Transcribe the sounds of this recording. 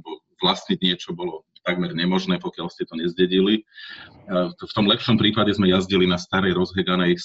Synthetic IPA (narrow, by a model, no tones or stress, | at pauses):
bɔvlasɲiɟɲɪɛt͡ʃɔbɔlɔt̪aɡmɛɾɲɛmɔʒnɛːpɔkɪalscɛt̪ɔɲɛzɟɛɟili | ft̪ɔmlɛpʃɔmpɾiːpaɟɛzmɛjazɟilinast̪aɾɛjɾɔzɦɛɡanɛj